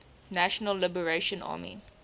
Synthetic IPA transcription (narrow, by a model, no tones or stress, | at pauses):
næʃənəlːɪbəɹeʃə̃nɑ̰ːmḭ